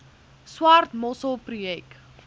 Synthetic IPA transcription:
swartmɔsəlˠpruɛk

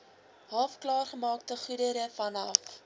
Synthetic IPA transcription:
ɦɑːfklɑːrχəmɑːk̚təχudəɾəfɐnɐ̰f

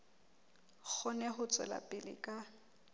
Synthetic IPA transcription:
k͡xʰɔnɛhʊt͡sʼɛ̰la̰pʼɪlɪ̰kʼa

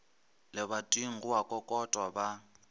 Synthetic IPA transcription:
lɪβatʼwiŋ̩ɣʊakʼɔkʼɔtʼwaba

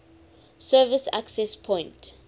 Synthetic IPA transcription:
sɛvɪsa̰ksɛspʰɔ̃j̃nt

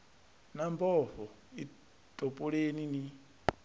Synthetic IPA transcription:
nambɔɸɔ | i | tʼɔpʼɔɺenini

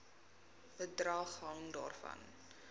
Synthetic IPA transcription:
ədrɑːχɦɐŋdɑ̰ːrfɐ̰n

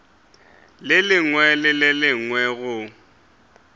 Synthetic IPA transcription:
lɪlɪŋwɛlɪlɪlɪŋwɛɣʊ

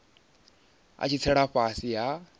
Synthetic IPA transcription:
a̰t͡ʃʰit͡sʰɛɺaɸasija

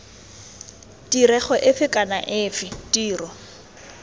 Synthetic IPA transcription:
tiɾɛχɔʔɪfɪkʼana̰ʔɪːfɪtiːrɔ

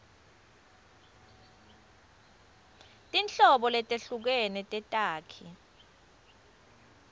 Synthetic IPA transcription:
tʼint͡ɬɔɓɔlɛtʼeɬuk̬ɛnɛtʼɛtʼaːkʰi

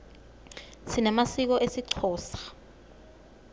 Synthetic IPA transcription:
sinɛmasik̬ɔʔesiǀʰɔːsḁ

